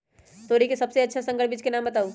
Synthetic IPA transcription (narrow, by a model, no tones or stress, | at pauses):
t̪oɾikesəbseətːʃʰasə̃ŋɡəɾbid͡ʒkenambət̪aːu